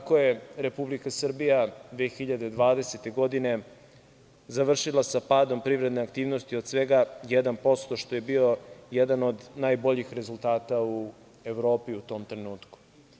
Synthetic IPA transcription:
kakoje̞ɾe̞publikasr̩bijad̪ʋexiʎad̪ed̪ʋaːd̪e̞set̪e̞ɡo̞d̪ine̞ | zaʋr̩ʃilˠasapaːd̪o̞mpɾivɾed̪neakt̪iːvno̞st̪iod̪sʋe̞ɡajed̪anpo̞st̪o̞ʃt̪o̞je̞bio̞jed̪ano̞d̪najbo̞ʎixɾe̞zult̪aːt̪au | e̞ʋɾo̞ːpiut̪o̞ːmt̪ɾenuːt̪ku̥

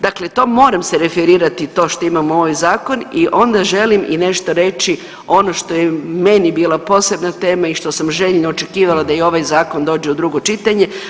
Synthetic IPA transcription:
d̪akle̞t̪o̞ːmo̞ːɾamseɾe̞feɾiːɾat̪it̪o̞ːʃt̪o̞imamuo̞ʋajzaːko̞niʔo̞nd̪aʒe̞limine̞ʃt̪o̞ɾe̞t͡ʃi | o̞no̞ʃt̪ojemenibiːlˠapo̞ːse̞bnat̪e̞ːmaiʃt̪o̞samʒeʎnoot͡ʃe̞kiːʋalˠad̪ajeo̞ʋajzaːko̞nd̪oːd͡ʒeud̪ɾuɡo̞t͡ʃit̪aɲe̞

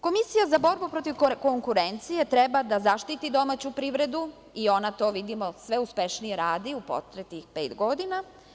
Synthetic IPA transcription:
ko̞misijazabo̞ɾbupɾo̞t̪iʋko̞ŋkuɾe̞nt̪sije̞t̪ɾe̞bad̪azaʃt̪it̪id̪o̞mat͡ɕupɾiʋɾe̞d̪u | io̞nat̪o̞ːʋid̪imo̞sʋe̞uspʲe̞ʃnije̞ɾaːd̪iupo̰t̪ɾet̪ɲixpe̞ːt̪ɡo̞d̪ina

